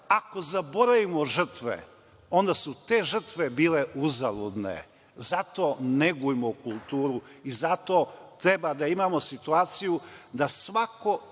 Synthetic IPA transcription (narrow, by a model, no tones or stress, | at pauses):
ako̞zabo̞ɾaʋimo̞ʒr̩t̪ʋḛ | o̞nd̪asut̪e̞ːʒər̩t̪ʋe̞biːle̞ʔuzalud̪nḛ | zat̪o̞ːneɡujmoukulˠt̪uːɾuizat̪o̞t̪ɾe̞bad̪aimaːmosit̪uaːt̪sijud̪asʋako̞